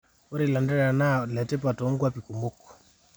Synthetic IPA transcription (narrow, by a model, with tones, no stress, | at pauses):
o˦ɾi˨la˨ndɛ˦ɾa˨na˦lɛ˨te˦p̬a˨to˨˦ŋɡwa˦pi˨ku˨mo˦k